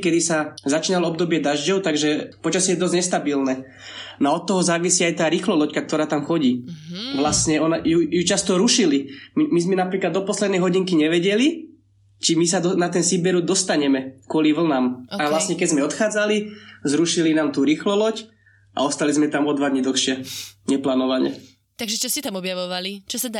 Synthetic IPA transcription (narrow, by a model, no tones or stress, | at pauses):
kɛd̪isazat͡ʃiːnalɔɔbd̪ɔbɪɛd̪aʒɟɔʊt̪aɡʒɛpɔt͡ʃasijɛd̪ɔzɲɛst̪abilnɛː | nɔaɔt̪ːɔɦɔzaːʋisiːajt̪aːɾiːxlɔlɔckak̚t̪ɔɾaːt̪amxɔɟiːʋlasɲɛɔnajujut͡ʃast̪ɔɾuʃilimimizmɛnapɾiːklad̪ɔpɔslɛd̪nɛjɦɔɟiŋkiɲɛʋɛɟɛli | t͡ʃimisad̪ɔnat̪ɛnsibɛɾud̪ɔst̪aɲɛmɛkʊɔliʋl̩namaʋlasɲɛkɛzmɛɔt̪xaːd͡zalizɾuʃilinaːmt̪uːɾiːxlɔlɔc | a̰ɔst̪alizmɛt̪amɔd̪ʋad̪ɲid̪l̩ɔxʃɪɛɲɛplaːnɔʋaɲɛ̰ | t̪aɡʒɛt͡ʃɔsɛt̪amɔbjaʋɔʋalit͡ʃɔsad̪